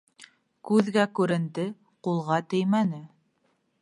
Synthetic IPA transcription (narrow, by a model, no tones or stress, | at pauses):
kʉðɡækʉɾɘ̆nd̪ɘ | qulˠʁɑt̪ɘjmænɘ